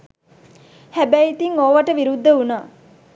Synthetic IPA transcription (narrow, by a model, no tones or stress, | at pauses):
hæbæjit̪iŋoʋəʈəʋiɾud̪ːəunaː